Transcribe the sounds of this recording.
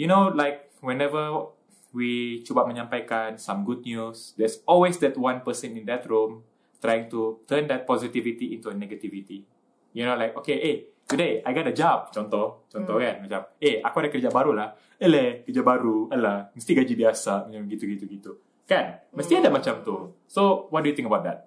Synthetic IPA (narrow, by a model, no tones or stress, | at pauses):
junolajk̚ | wɛ̃nɛvə | wit͡ʃubap̚mə̃ɲãmpajkansãmɡud̚njusdɛsɔlwesdɛt̚wãnpəsə̃nĩndɛtɹũm | t̪ɾajĩŋtut̪əndɛt̚pɔzit̪ivit̪iʔĩntuənɛɡat̪ivit̪i | junolajkokeʔe | t̪udeajɡɔt̚əd͡ʒap̚t͡ʃɔnt̪ɔht͡ʃɔnt̪ɔhkanmat͡ʃameakuadakəd͡ʒabaɾulah | əlekəd͡ʒaʔbaɾualahməst̪iɡad͡ʒibiasamət͡ʃãɡit̪uɡit̪uɡit̪u | kanməst̪iadamat͡ʃamt̪u | sowɔt̚dujut̪ĩŋkəbawt̚d̪ɛt̪̚